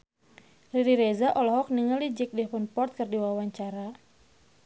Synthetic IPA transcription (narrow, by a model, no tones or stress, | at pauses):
liɾiɾezaʔɔlɔɦɔk̚niŋalid͡ʒik̚dɛfɔnpɔrt̪̚kɨrdiwawaɲt͡ʃaɾa